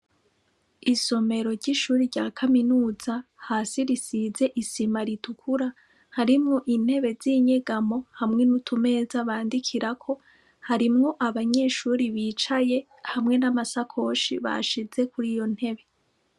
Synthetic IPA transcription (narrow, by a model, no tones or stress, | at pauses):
iso̞me̞ɾo̞ɾɟiʃuːɾiɾɟaːkʰaminuːzahasiɾisizeʔisimaɾitukʰuɾa | haɾimŋo̞ʔin̥he̞βe̞ziːɲeɡamo̞hamŋe̞nutʰume̞ːzaβaːndikʰiɾakʰo̞ | haɾimŋo̞ʔaβaɲe̞ːʃuːɾiβiːt͡ʃaje̞ | hamŋe̞namasakʰo̞ʃiβa̰ʃize̞kuɾijo̞n̥he̞βe̞